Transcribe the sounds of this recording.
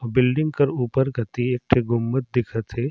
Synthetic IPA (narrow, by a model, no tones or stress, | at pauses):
ɔbɪlɖɪ̃ŋɡ̚kɐɾuːpəɾɡɐt̪ieːk̚ʈʰeɡʱʊmːət̪̚d̪ɪkʰət̪ɦeː